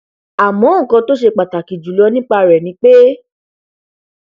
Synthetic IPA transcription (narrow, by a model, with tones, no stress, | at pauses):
a˨mɔ̃˨˦ŋ̩˨kɔ̃˧to˦ʃe˧k͡pa˨ta˨ki˨d͡ʒu˨lɔ˧˦nĩ˦k͡pa˧ɾɛ˨nĩ˧˦k͡pe˦